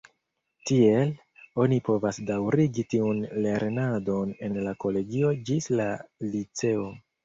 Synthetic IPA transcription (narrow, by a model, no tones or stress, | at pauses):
tie̞l | o̞nipo̞vasdawɾiɡitiunle̞ɾnado̞ne̞nlako̞le̞ɡio̞d͡ʒislalit͡se̞o̞